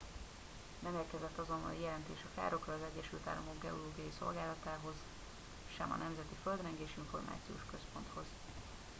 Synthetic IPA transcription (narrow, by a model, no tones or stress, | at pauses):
nɛmeːrkɛzɛt̪ːɒzo̞nːɒ̰lijɛlɛnt̪eːʃɒka̰ːɾo̞krɒːzɛɟːɛʃylt̪a̰ːlːɒmo̞ɡɡɛo̞loːɡijɒjiso̞̰lɡaːlɒt̪aːɦo̞z̥ | ʃɛ̰mɒ̰nɛmzɛt̪iføld̪rɛŋɡeːʃiɱfo̞rma̰ːt̪sijo̰ːʃkø̞spo̞nt̪ho̞z̥